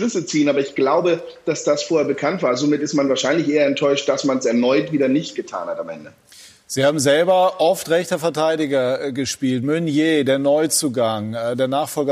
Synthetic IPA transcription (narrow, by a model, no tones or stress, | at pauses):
lʏsət͡siːənaːbɐɪçɡ̥laʊbəd̥asd̥asfoːɐheɐbəkʰantv̥aːɐzoːmɪtɪstmanvaːɐʃaɪnlɪçʔeːɐɛntʰɔʏʃt̚d̥asmansɛɐnɔʏtviːdɐnɪçt̚ɡ̥ətʰa̰ːnhatamʔɛ̰ndə | z̥iːhaːbm̩zɛlbɐʔɔftʁɛçtɐfɛɐtʰaɪdɪɡɐɡəʃpiːltmʏnjeːdeːɐnɔʏt͡suːɡaŋːdeːɐnaːχfɔlɡə